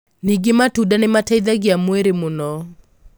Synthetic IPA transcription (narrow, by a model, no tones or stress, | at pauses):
niɡɪmatudanɪmataiðaɡɪamweɾemʊnɔ